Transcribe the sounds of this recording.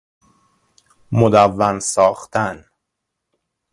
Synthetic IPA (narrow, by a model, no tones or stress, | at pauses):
mod̪ævːænsɒːxt̪ʰæn